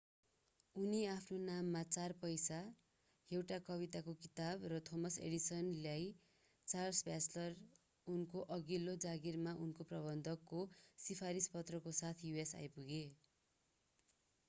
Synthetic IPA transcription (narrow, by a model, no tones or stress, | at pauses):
uniapʰnonamːat͡sarpʌjsa | ewʈakʌβit̪akokit̪abrʌt̪ʰomʌsḛɽisʌnlaj | t͡sarsbʱjat͡slʌr | unkoʔʌɡilod͡zaɡirmaʔunkoprʌβʌnd̪ʱʌkːosipʰaɾispʌt̪rʌkosat̪ʰjuesa̰jpuɡe